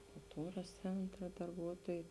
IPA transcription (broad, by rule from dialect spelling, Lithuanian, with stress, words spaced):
kʊlˠˈtuːrɐs ˈt͡sʲɛntrɐ dɐrˈbuɔtuɔjɛɪ